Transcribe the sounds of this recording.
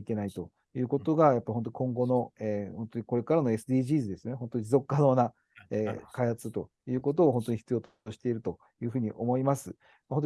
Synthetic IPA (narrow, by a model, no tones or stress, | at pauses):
ike̞nait̪o̞ | jɯ̟ːko̞t̪o̞ɡajapːaɾʲiɦont̪oɲi̥kõ̞ŋɡo̞no̞eːhõ̞nt̪oɲ̟iko̞ɾe̞kaɾanoe̞sɨd̪iːʑiːzɨd̪e̞sɨjo̞neont̪oɲ̟izo̞kːano̞ːna | eːkaihat͡sɨt̪o̞ | jɯ̟ːko̞t̪̬o̞ːɦõnt̪o̞ɲ̟içi̥t͡sɨjoːt̪ | ɕi̥t̪e̞iɾɯ̟t̪o̞ | jɯ̟ːɸɯ̟ːɲ̟iʔo̞mo̞imasɨ | maɦont̪o